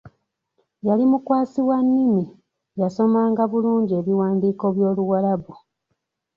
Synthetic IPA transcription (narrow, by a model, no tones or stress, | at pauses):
jalimukwaːsiwanːimi | jaso̞maːŋɡaβuluːɲɟie̞ːβiwaːndiːko̞βjo̞ːluwalaβu